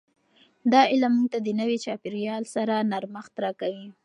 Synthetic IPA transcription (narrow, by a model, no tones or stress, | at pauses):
d̪ɑɪlamːuŋɡ̚t̪ad̪ənəwet͡ʃɑpiɾjɑlsaɾanaɾmaxt̪ɾɑkawi